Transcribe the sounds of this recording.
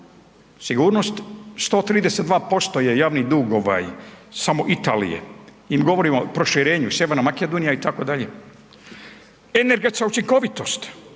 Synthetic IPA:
siɡuːɾnost̪st̪o̞ːt̪ɾiːd̪eset̪d̪ʋaːpo̞st̪o̞je̞jaːʋnid̪uːɡo̞ʋa̰jsamo̞ʔit̪aːlḭjḛ | iːmɡo̞ʋo̞ɾimopɾo̞ʃiɾe̞ːɲusjeʋeɾnamaked̪onijait̪ako̞d̪aʎe | eneɾɡe̞t̪skaut͡ʃiŋko̞ʋit̪o̞st̪

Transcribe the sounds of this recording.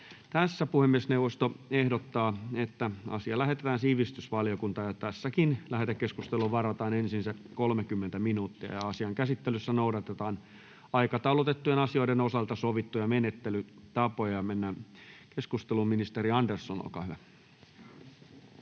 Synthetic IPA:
t̪æsːæpuhemːiesneuʋːˑost̪oehdot̪ːɑːet̪ːæɑ̰siɑlæɦet̪et̪æːnsiːʋist̪ysʋɑljokunt̪ɑːjɑt̪æsːækinlæht̪ækːeskust̪eluʋɑrɑt̪ɑːnensinsækolmekymːent̪æminuːt̪ːiæ̰jɑɑsiɑŋkæsit̪ːelysːænouwdɑt̪et̪ɑːn | ɑikɑt̪ɑulot̪et̪ːujenɑsioidenosɑlt̪ɑsoʋit̪ːujɑmenet̪ːelyt̪ɑpojɑmenːæːkeskust̪elumminist̪eɾiɑndersːono̰lkɑ̰ːhyʋæ

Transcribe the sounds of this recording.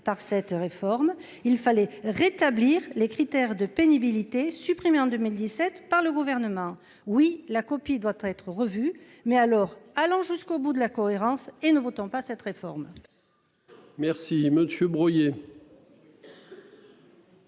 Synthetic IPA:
paʁsɛt̪ʁefɔʁm | ilfalɛʁet̪abliʁlekχit̪ɛʁd̪əpenibilit̪esypχimeɑ̃d̪ømild̪isɛt̪paʁləɡuvɛʁnəmɑ̃ | wilakɔpid̪wat̪ɛt̪χəʁəvy | mɛalɔʁalɑ̃ʒyskobud̪əlakɔeʁɑ̃senəvot̪ɔ̃pasɛt̪ʁefɔʁm | mɛʁsiməsjøbʁɔje

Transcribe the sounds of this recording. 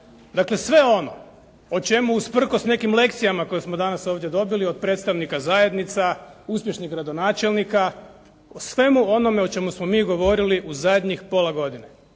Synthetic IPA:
d̪akle̞sʋe̞o̞no̞̰ | ot͡ʃe̞muuspr̩kosne̞kimle̞kt̪sijamako̞jesmod̪anaso̞ːʋd̪je̞d̪o̞bilio̞d̪̚pɾet̪st̪aʋnikazaje̞d̪nit̪sauspje̞ʃniɣɡɾad̪o̞naːt͡ʃe̞lnika | osʋe̞muo̞no̞me̞o̞t͡ʃe̞musmo̞miːɡo̞ʋo̞ɾiliʔuzad̪ɲixpo̞laɡo̞d̪ine

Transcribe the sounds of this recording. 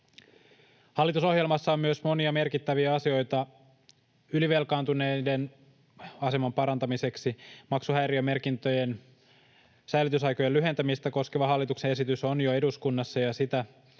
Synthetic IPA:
hɑlːit̪uso̞ɦje̞lmɑsːɑomyøsmo̞niɑme̞rkit̪ːæʋiæɑsio̞jt̪ɑ | yliʋe̞lkɑːnt̪unejde̞n | ɑse̞mɑmpɑɾɑnt̪ɑmise̞ksimɑksuɦæjɾiøme̞rkint̪øje̞n | sæjlyt̪ysɑjko̞jelːyɦe̞nt̪æmist̪æko̞skeʋɑɦɑlːit̪ukse̞nesit̪yso̞njoe̞duskunːɑsːɑjɑsit̪æ

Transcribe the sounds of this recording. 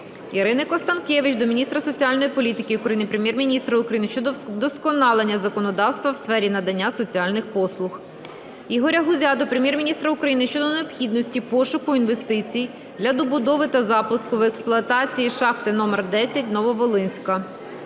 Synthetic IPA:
iɾɪnɪkɔst̪ɐnkʲeʋɪt͡ʃd̪ɔmʲinʲist̪ɾɐsɔt͡sʲiɑlʲnɔjipɔlʲit̪ɪkɪʊkɾɐjinɪpɾemʲjɛrmʲinʲist̪ɾɐʊkɾɐjinɪʃt͡ʃɔd̪d̪ɔskɔnɑlˠenʲːɐzɐkɔnɔd̪ɑwst̪ʋɐwsfɛɾʲinɐd̪ɐnʲːasɔt͡sʲiɑlʲnɪxpɔslˠʊx | iɦɔɾʲɐɦʊzʲɑd̪ɔpɾemʲjɛrmʲinʲist̪ɾɐʊkɾɐjinɪʃt͡ʃɔd̪ɔneɔpxʲid̪nɔsʲtʲipɔʃʊkʊinʋe̞st̪ɪt͡sʲij | d̪lʲɐd̪ɔbʊd̪ɔʋɪt̪ɐzɑpʊskʊwɛksplˠʊɐt̪ɑt͡sʲijiʃɑxt̪ɪnɔmɛrd̪ɛsʲɐt̚ʲnɔʋɔʋɔlˠɪnʲsʲkɐ

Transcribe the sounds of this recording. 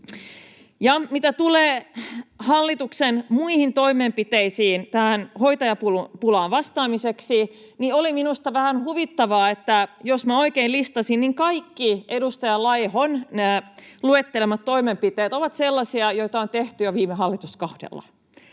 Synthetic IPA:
jɑmit̪æt̪uleː | hɑlːit̪uksenmuihint̪o̞imempit̪eisiːnt̪æhænhojt̪ɑjɑpulupulɑːʋʋɑst̪ɑːmiseksi | nioliminust̪ɑʋæhænhuʋit̪ːɑʋɑːet̪ːæjosmæo̞ikeilist̪ɑsinniŋkɑikːiedust̪ɑjɑlɑjhonnæluet̪ːelemɑt̪to̞imempit̪eːt̪oʋɑt̪selːɑsiɑjojt̪ɑont̪eht̪yjɑʋiːmeɦɑlːit̪uskohdḛlːɑ̰

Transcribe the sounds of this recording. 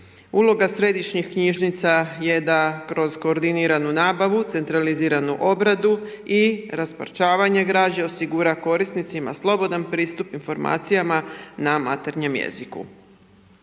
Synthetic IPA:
ulˠo̞ɡasɾe̞d̪iʃɲixkɲiʒnit̪saje̞d̪akɾo̞zko̞ːɾd̪iniɾanunaːbaʋut̪se̞nt̪ɾaliziːɾanuʔo̞bɾad̪u | iɾaspa̰ɾt͡ʃaːʋaɲe̞ɡɾaːd͡ʑeo̞siɡuɾako̞ɾisnit̪sima̰slˠo̞bo̞d̪anpɾiːst̪upinfo̞ɾma̰ːt̪sijamanama̰t̪eɾɲe̞mjḛzikṵ

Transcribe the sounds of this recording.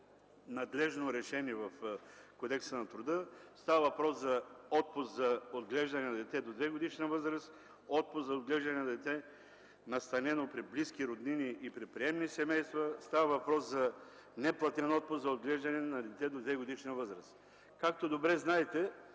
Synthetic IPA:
nɐd̪lɛʒnoɾɛʃɛniɛvɐf | kod̪ɛksənɐt̪ɾʊd̪əst̪avɐvɐpɾɔszɐɔt̪̚pʊszɐod̪ɡlɛʒd̪ɐnɛnɐd̪ɛt̪ɛd̪od̪vɛɡod̪iʃnəvɤzɾəs | ɔt̪̚pʊszɐod̪ɡlɛʒd̪ɐnɛnɐd̪ɛt̪ɛ | nɐst̪ɐnɛnopɾibliskiɾod̪niniʔipɾɛt̪̚pɾiɛmnisɛmɛjst̪vɐst̪avɐvɐpɾɔszɐ | nɛplˠɐt̪ɛnɔt̪̚pʊszɐod̪̚ɡlɛʒd̪ɐnɛnɐd̪ɛt̪ɛd̪od̪vɛɡod̪iʃnəvɤzɾɐs | kak̚t̪od̪obɾɛznaɛt̪ɛ

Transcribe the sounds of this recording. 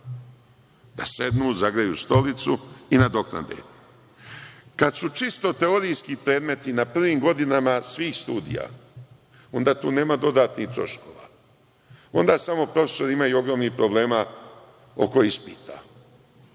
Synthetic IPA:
d̪̥ase̞d̪nuːzaɡɾajust̪o̞lit̪suinad̪o̞kna̰d̪ḛ | kad̪sut͡ʃist̪o̞t̪e̞oɾijskipɾe̞ːd̪me̞t̪inapr̩ʋiːmɡo̞d̪inamasʋiːxst̪uːd̪ḭja̰ | o̞nd̪aːt̪uːne̞ːmad̪o̞d̪aːt̪niht̪ɾo̞̰ʃko̞̰ʋa̰ | o̞̰nd̪aːsamo̞pɾo̞feso̞ɾimajuo̞ɡɾo̞ːmnixpɾo̞ble̞ːma | o̰ko̞jispiːt̪ʰa̰ː

